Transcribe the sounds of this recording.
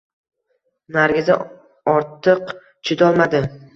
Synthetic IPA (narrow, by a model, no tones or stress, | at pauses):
naɾɡʲɪzɪ̰ | ɒɾt̪ʰɨq | t͡ʃʰɪd̪ɒlˠmad̪ɪ